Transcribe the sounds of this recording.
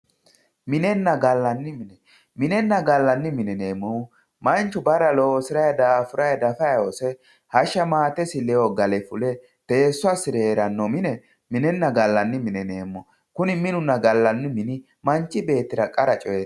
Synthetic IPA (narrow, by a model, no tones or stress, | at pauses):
mɪnɛnːɐɡɐlːɐnːɪmɪnɛ | mɪnɛnːɐɡɐlːɐnːɪmɪnɛne̞ːmːɔ | mɐnt͡ʃːʊbɐɾɐlosɪɾɐjɐd̪aːfʊɾɐjɐd̪ɐfɐjosɛ | hɐʃɐmaːt̪ɛsɪlɛoɡɐlɛfʊlɛ | t̪eːsːʊasɪɾɛɾɐnːɔmɪnɛ | mɪnɛnːɐɡɐlːɐnːɪmɪnɛneːmːɔ | kʊnɪmɪnʊnːɐɡɐlːɐnːɪmɪnɪ | mɐnt͡ʃʼːɪbe̞ːt̪ːɪɾɐkʼɐɾɐt͡ʃʼɔjɛ